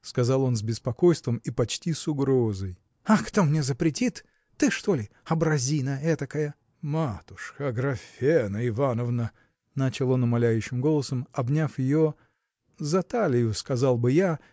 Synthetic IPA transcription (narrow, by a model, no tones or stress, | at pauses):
skɐzɑlˠo̞nzbʲɪspɐko̞jst̪vəmipɐt͡ɕtʲisʊɡɾozəj | ɐkt̪omnʲe̞zəpɾʲɪtʲit̪ː | ɨʂt̪o̞lʲɪ | ɐbɾɐzʲinəɛt̪əkəjə | mat̪ʊ̥ʂxəɐɡɾɐfʲenəɪvanəvnə | nat͡ɕɪlˠo̞nʊmɐlʲæjʉɕːɪmɡo̞lˠəsəmɐbnʲafjɪjo̞ | zɐt̪alʲɪjʊskɐzɑlˠbɨja